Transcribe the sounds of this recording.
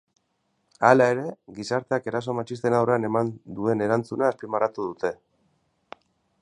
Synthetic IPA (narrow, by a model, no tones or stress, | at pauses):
alae̞ɾe̞ɡisaɾt̪e̞ake̞ɾaso̞mat͡ʃist̪e̞nawreane̞mand̪ue̞ne̞ɾant͡sunaːspimarat̪uðut̪e̞